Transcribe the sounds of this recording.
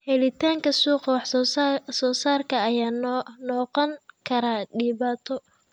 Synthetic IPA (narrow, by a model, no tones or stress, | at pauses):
hɛlɪt̪ʰaːŋkʰɐsuːqwɑħsɔːsaːrkʰɐɐjaːnɔːqɔŋkʰɐɾaːɖɪːβaːt̪ʰɔ